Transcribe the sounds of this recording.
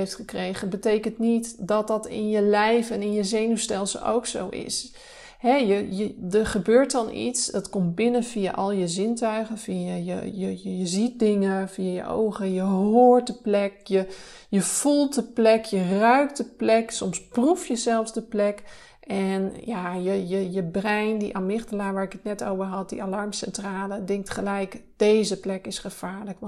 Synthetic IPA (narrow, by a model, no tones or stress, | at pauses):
eftχəkreːχənbətejkəntnitdɔt̚dɔtɪ̰njəlɛjfɛnɪnjəzeːnystɛlˠsə̰ʔo̰wkso̰wɪ̰s | hɛjəjədəχəbøːɹt̚dɔnʔḭtsdɔtkɔmt̚bɪnənfia̰ʔɔlˠjəzɪntœɥɣənfiajə̰jəjəjəzit̚dɪŋəfiajə̰ʔo̰wɣəjəɦoːɹt̚dəplɛkjə | jəfulˠtdəplɛkʰjərœɥk̚tdəplɛksɔmsprufjəzɛlˠfsdəplɛk | ʔɛnjajəjəjəbrɛjndiʔamɪxtəlaːʋaːɪkətnɛtowvərɦɑt̚dḭʔalɑrmsɛntraːlədɪŋk̚tχəlɛjk | d̥ejzəplɛkɪsχəfaːɹlək